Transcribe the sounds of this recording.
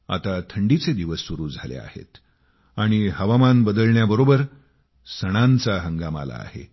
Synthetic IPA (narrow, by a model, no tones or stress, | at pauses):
a̰t̪at̪ʰəɳɖit͡sed̪iʋəsːuɾuːd͡zʱalḛa̰hḛt̪ | aɽ̃iɦəʋamanbəd̪əlɳjabəɾobəɾ | səɽ̃ant͡saɦəŋɡama̰la̰ːhḛ